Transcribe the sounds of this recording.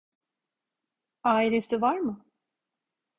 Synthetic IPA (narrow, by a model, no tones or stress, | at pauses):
aːilʲe̞sivaɾmɯ